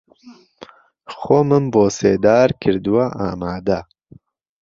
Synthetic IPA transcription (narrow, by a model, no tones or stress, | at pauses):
xoːmɨmboːseːd̪aːɾkʰɨɾd̪ɨwaʔaːmaːd̪a